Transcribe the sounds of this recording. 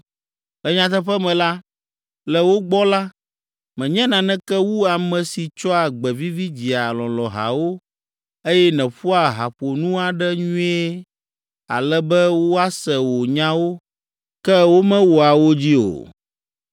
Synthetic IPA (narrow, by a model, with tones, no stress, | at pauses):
lɛ˨ɲã˨˦t̪̬ɛ˦ɸɛ˦mɛ̃˨la˦ | lɛ˨wo˦ɡ͡bɔ˦la˦ | mɛ̃˨ɲɛ̃˦nã˨nɛ̃˦kɛ˦wu˦a˨mɛ̃˨si˨t͡ʃɔ˦a˨ɡ͡bɛ˨vi˦vi˦d͡ʑi˨a˨lɔ̃˨lɔ̃˨ɦa̰˨wo˦ | e˦jɛ˦nɛ̃˨ɸu˦a˨ɦa˨ɸo˨nũ˦a˨ɖɛ˦ɲũ˦e˦ | a̰˨lɛ˦bɛ˦wo˦a˦sɛ˨wo˨ɲã˦wo˦ | kɛ˦wo˦mɛ̃˦wo˨a˨wo˦d͡ʑi˦o̰˨